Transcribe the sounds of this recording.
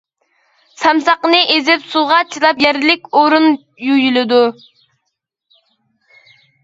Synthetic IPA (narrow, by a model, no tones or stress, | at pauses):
sɑmsɑqənɨʔezɪpsulˠʁɑt͡ʃʰilˠɑpjɛɾlɪkʲoɾun | jujylɪd̪u